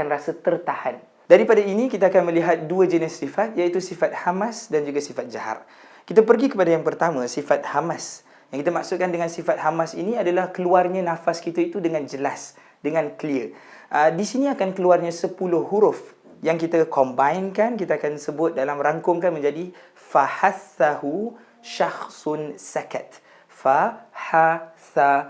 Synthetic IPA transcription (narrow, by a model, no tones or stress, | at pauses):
anrasət̪ərt̪ahan | daɾipadainikit̪aakanmə̃liɦat̪̚duəd͡ʒənɛsːifat̪̚jait̪usifat̪̚hamãsdand͡ʒuɡasifat̪̚d͡ʒaha̰t̪̚ | kit̪apərɡikəpadajaŋpərt̪amãsifat̪̚hamas | jãŋkit̪̬amaksʊt̪̚kandəŋãnsifat̪̚hamasiniadalahkəluarɲãnãfaskit̪ait̪udəŋãnd͡ʒəlas | dəŋãnkliəʔədisinĩakankəluarɲãsəpulʊhɦuɾʊf | jaŋkit̪akɔmbainkankit̪aakansəbʊt̪̚dalamɾaŋkʊŋkanmə̃ɲd͡ʒadi | faħaθːahu | ʃaxsnsakat̪̚ | fahaθa